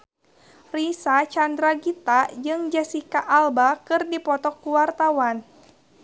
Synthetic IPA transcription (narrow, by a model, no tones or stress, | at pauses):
risat͡ʃandɾaɡit̪ad͡ʒɨŋd͡ʒɛsikaʔːlbakɨrdipɔt̪ɔkːuwart̪awan